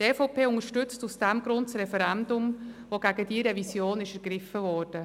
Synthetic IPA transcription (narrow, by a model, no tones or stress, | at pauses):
teːfɔʊpeːʊŋəɾʃtʏt͡stusd̥ɛmɡɾʊntsɾɛfɛɾɛndʊmvoɡ̥æɡədiːɾɛvisjoːnɪʃæɾɡɾɪfəvɔːɾd̥ə